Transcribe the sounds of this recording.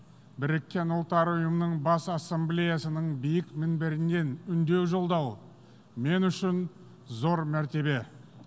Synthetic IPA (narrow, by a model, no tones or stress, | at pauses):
bɪɾekʲːe̞nʊlˠt̪ɑɾʊjəmənəɴbɑsasːemblʲejasənəɴbijɪkmɪnbɪɾɪnːe̞nʏnd̪e̞wʒo̞lˠd̪ɑw | me̞nʏʃɪn | zo̞ɾmæɾt̪e̞be̞